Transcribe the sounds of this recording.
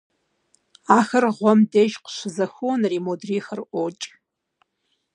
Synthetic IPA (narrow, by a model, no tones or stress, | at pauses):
aːxɐrʁʷɔmdeʒqʃʷzɐxuwnrimodriːxərʔʷot͡ʃʼ